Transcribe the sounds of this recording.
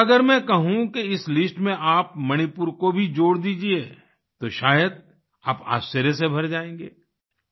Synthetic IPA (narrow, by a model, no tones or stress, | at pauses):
ɐɡəɾmɛ̃kɐɦũkeɪslɪsʈmẽʔaːpmɐñipʊɾkobʱid͡ʒoːɽd̪iːd͡ʒieː | t̪oʃaːjəd̪̚ | aːpa̰ːst͡ʃəɾjesebʱɐɾd͡ʒaːẽːŋɡḛː